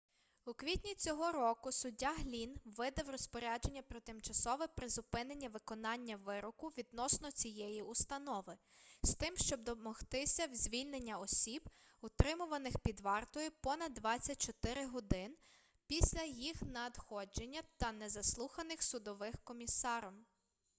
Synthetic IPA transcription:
ukʋʲitʲnʲit͡sʲɔɦɔɾɔkʊsʊdʲːaɦlʲinʋɪd̪ɐwrɔspɔɾʲad͡ʒe̞nʲːɐpɾɔt̪ɪmt͡ʃɐsɔʋɛpɾɪzʊpɪnenʲːɐʋɪkɔnɑnʲːɐʋɪɾɔkʊʋʲid̪nɔsnɔt͡sʲijɛjiʊst̪ɐnɔʋɪst̪ɪmʃt͡ʃɔb̚d̪ɔmɔht̪ɪsʲɐwzʲʋʲilʲnenʲːɐɔsʲib | ʊt̪ɾɪmʊʋɐnɪxpʲid̪ʋɑrt̪ɔjʊpɔnɐd̪ːʋɑt͡sʲːɐt̚ʲt͡ʃɔt̪ɪɾɪɦɔd̪ɪn | pʲisʲlʲɐjixnɐd̪xɔd͡ʒenʲːɐt̪ɐnɛzɐslˠuxɐnɪxsʊd̪ɔʋɪxkɔmʲisɑɾɔm

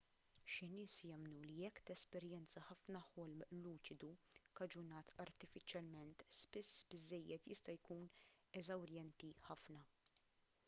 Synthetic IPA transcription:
ʃɪnɪːsjɐmnulijɛkːt̪ɛspɛɾjɛnt͡sɐħɐfnɐħɔlmluːt͡ʃɪd̪ukɐd͡ʒʊnɐːt̪ɐɾt̪ɪfɪt͡ʃjɐlmɛnt̪spɪsːbɪzːɛjːɛt̪jɪst̪ɐjkuːn | ɛzɐwɾjɛnt̪iħɐfnɐ

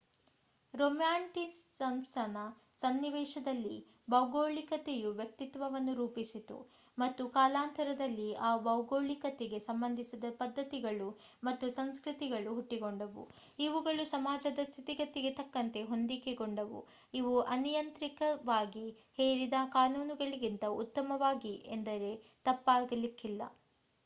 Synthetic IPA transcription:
ɾomjaːɳʈissɐmsɐnɐsɐnːiʋɛːʃɐd̪ɐlːḭ | bɐwɡoːɭikɐt̪ejuʋjɐk̚t̪it̪ʋɐʋɐnːuɾuːpisit̪ṵ | mɐt̪ːukaːlaːnt̪ɐɾɐd̪ɐlːiaːbɐwɡoːɭikɐt̪ɛɡe̞sɐmbɐnd̪ʱisid̪ɐpɐd̪ʱːɐt̪iɡɐɭumɐt̪ːusɐnskɾit̪iɡɐɭuɦuʈːiɡo̞ɳɖɐʋṵ | iʋuɡɐɭusɐmaːd͡ʒɐd̪ɐst̪ʰit̪iɡɐt̪iɡe̞t̪ɐkːɐnt̪e̞ɦo̞nd̪ikeɡo̞ɳɖɐʋṵ | iʋuʔɐnijɐnt̪ɾikɐʋaːɡi | heːɭid̪ɐkaːnuːnuɡɐɭiɡint̪ɐut̪ːɐmɐʋaːɡiʔend̪ɐɾe̞t̪ɐpːaːɡɐlikʰːilːɐ̰

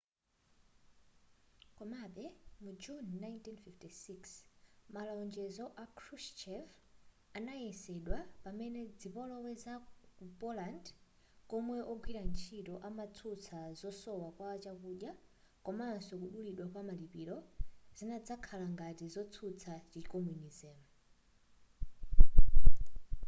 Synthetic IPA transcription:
kɔmaɓɛmud͡ʒunːajntinfiftisiksmalaɔnd͡ʒɛzɔʔakʰɾust͡ʃɛf | anajɛsɛɗwapamɛnɛd͡zipɔlɔwɛzakupɔland | kɔmwɛʔɔɡwiɾant͡ʃʰitɔʔamat͡sʰut͡sʰazɔsɔwakwaːt͡ʃakuɗja | kɔmansɔkuɗuliɗwakwamalipiːlɔzinad͡zakʰalaŋɡatizɔt͡sʰut͡sʰat͡ʃit͡ʃikɔmunizɛːmu

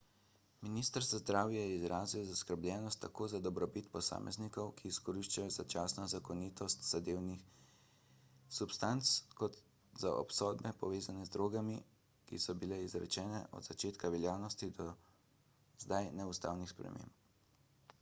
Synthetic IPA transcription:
minist̪əɾzazd̪ɾaːwjɛjɛizɾaːziwzaskəɾbljɛːnɔst̪ːakoːzad̪ɔbɾɔbit̪pɔsa̰ːmʔɛ̰znikɔwkiːskɔɾiʃt͡ʃajɔzat͡ʃaːsnɔzakɔniːt̪ɔst̪z̥ad̪eːwnix | supst̪ant̪skɔt̪ | za̰ʔɔ̰psɔːd̪bɛpɔʋeːzanɛzd̪ɾoːɡami | kisɔbilɛizɾɛ̰t͡ʃɛːnɛ̰ʔɔ̰d̪z̥at͡ʃeːt̪kaʋɛljaːwnɔst̪id̪ɔ | zd̪ajnɛust̪a̰ːwnixspɾɛ̰mḛ̃ːmp

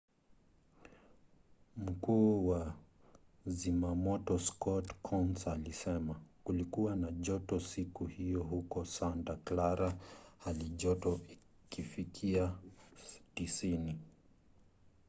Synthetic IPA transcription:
m̩kuːwa | zimamɔtɔskʰɔtkʰɔnsalisɛmakulikuwanaʄɔtɔsikuhijɔhukɔsantaklaɾahaliʄɔtɔi | kifikʰia | tisini

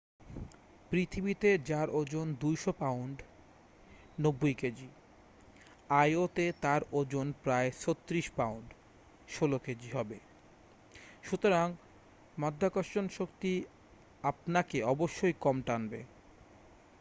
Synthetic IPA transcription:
pɾit̪ʰibit̪ed͡ʑaɾʔod͡ʑond̪ujʃopawɳɖ | nobːojked͡ʑi | ajot̪et̪aɾod͡ʑonpɾaet͡ʃʰot̪ːɾiʃpawɳɖ | ʃoloked͡ʑiɦɔbe | ʃut̪oɾaŋ | mad̪ʱːakɔʃt͡ɕonʃokt̪i | ap̚nakeɔboʃːojkɔmʈanbe

